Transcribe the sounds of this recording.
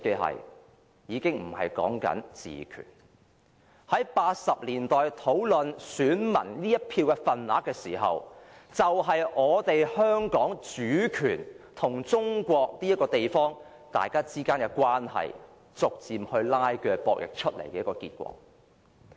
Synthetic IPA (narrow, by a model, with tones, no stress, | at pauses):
ke˧ɦɐ̰˨j | jiː˨˧kɪ˥ŋm̩˨˩hɐ̰˨jkɔ̰ː˨˥ŋkɐ̰˨˥nt͡sḭː˨kʰy̰ː˨˩n | hɐ˨˥jpaː˧t̚sɐ˨p̚liː˨˩nt̪ɔː˨jt̪ʰo˨˥wlɵ˨nsyː˨˥nmɐ̰˨˩nliː˥jɐ˥t̚pʰiː˧wkɛ˧fɐ˨nla̰ː˨˥kːɛː˧siː˨˩ɦɐ̰˨wt͡sɐ˨wɦɐ˨jʔɔː˨˧t̪e˨jhœː˥ŋkɔː˨˥ŋt͡ʃyː˨˥kʰyː˨˩n | t̪ʰʊ˨˩ŋt͡sʊ˥ŋkʷɔː˧k̚niː˥jɐ˥kːɔː˧t̪e˨jfɔː˥ŋ | t̪a̰ː˨jkaː˥t͡siː˥kaː˥nkɛ˧kʷaː˥nhɐ̰˨j | t͡sʊ˨k̚t͡siː˨mhɵ˧ɥlaː˥jkɛː˧pɔː˧k̚jɪ̰˨k̚t͡ʃʰɵ˥t̚le˨˩jkɛː˧˦ɐ˥kɔː˧kiː˧t̚kʷɔ̰ː˧k̚